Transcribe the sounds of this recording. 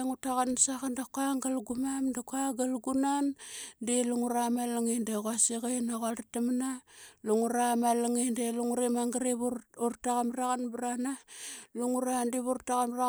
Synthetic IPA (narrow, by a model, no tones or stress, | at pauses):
ŋutaɣansakandakaŋɡalɡumamdakaɡalɡunandiluŋuɾamalaŋindeɣasiɣajnaɣadatamanaluŋuɾamalaŋindeluŋuɾimaŋɡaɾiβuurtaɣamraɣanbɾanaluŋuɾandiβuɾtaɣamra